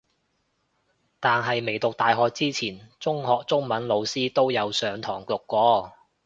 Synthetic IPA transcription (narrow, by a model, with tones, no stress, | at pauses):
t̪aː˨nɦɐ˨jme˨˩jt̪ʊ˨k̚t̪aː˨˧jɦɔː˨˧k̚t͡siː˥t͡sʰiː˨˩nt͡sʊ˥ŋhɔː˨k̚t͡sʊ˥ŋmɐ˨˥nlo˨˧wsiː˥t̪o˥wjɐ˨˧wsœː˨˧ŋt̪ʰɔː˨˩ŋkʊ˨kʷːɔː˧